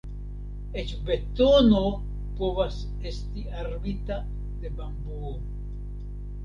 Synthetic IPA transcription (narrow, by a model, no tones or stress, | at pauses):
et͡ʃbet̪ono | poβas | est̪iaɾbit̪a | d̪ebambuo